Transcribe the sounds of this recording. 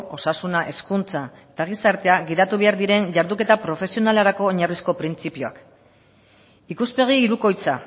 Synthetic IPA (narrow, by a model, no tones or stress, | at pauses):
o̞sasunaʔe̞skunt͡saet̪aɣ̞isaɾt̪e̞aɣiðat̪uβe̞aɾðiɾe̞ɲʝaɾðuke̞t̪apɾo̞fe̞sio̞nalaɾako̞ːɲarisko̞pɾint͡sipioa̰k | ikuspe̞ɣ̞iːɾuko̞jt͡sa